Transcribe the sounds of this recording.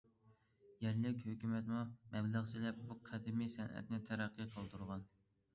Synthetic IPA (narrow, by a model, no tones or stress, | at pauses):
jɛɾlɪkʲhøkʲymɛt̪mumɛblæʁt͡ʃ̪ʰilɛp̚buqʰæd̪ɪmisɛnʔɛ̰t̪nɪt̪ʰæɾæqʰːɨqʰəlˠt̪uɾʁɑn